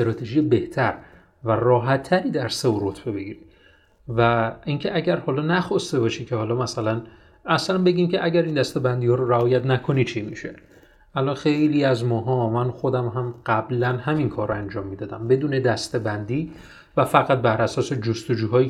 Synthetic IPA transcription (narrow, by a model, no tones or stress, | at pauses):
st̪ɾɒːt̪ʰeʒijebe̞ht̪ʰæɾ | værɒːɦæt̪ʰːæɾiːd̪æɾseuɾo̞t̪ʰbe̞be̞ɡiːɾi | væincʰe̞ʔæɟæɾhɒːlɒːnæxɒst̪e̞bɒːʃicʰe̞hɒːlɒmæsælæn | æslænbe̞ɟiːmcʰeʔæɟæɾind̪æst̪e̞bænd̪iːhɒːɾoɾæɒːjæt̪nækʰonit͡ʃʰimiʃe̞ | ʔælʔɒnxe̞jliːæzmɒːɦɒːmænxo̞d̪æmɦæmɢ̥æblænɦæminkʰɒːɾoænd͡ʒɒːmːid̪ɒːd̪æmbe̞d̪uːne̞d̪æst̪e̞bænd̪iː | væfæɣæt̪̚bæɾʔæsɒːse̞d͡ʒost̪o̞d͡ʒuːɦɒːjiː